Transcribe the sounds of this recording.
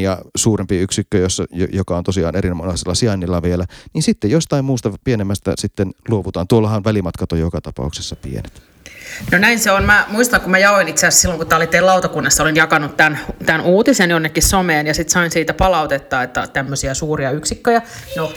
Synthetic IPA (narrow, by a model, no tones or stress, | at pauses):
jɑsuːrempiyksikːøjosːɑjjokɑont̪osiɑ̰ːneɾinmɑnɑsilːɑsiɑnːilːɑʋielæninsit̪ːejjost̪ɑimmuːst̪ɑpienemːæst̪æ̰sit̪ːenluoʋut̪ɑːnt̪uolːɑhɑnʋælimɑt̪kɑt̪ojjokɑt̪ɑpɑ̰ˑuksesːɑpḭḛnet̪ | nonæinseonmæmuist̪ɑŋkumæjɑoinit̪seæssilːoŋkut̪ˑæolit̪ːˑeːlɑut̪ɑkunːɑsːɑolinjɑkɑnut̪t̪ænt̪ænʔuːt̪isenjonːekːissomeːnjɑsit̪sɑinsiːt̪æpɑlɑut̪et̪ːɑːet̪ːæt̪æmːøsiæsuːriɑyksikːøjɑno